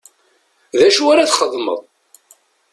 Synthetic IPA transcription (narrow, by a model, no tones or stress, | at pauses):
ðæʃwaɾaθχəðˤːmə̰ðˤ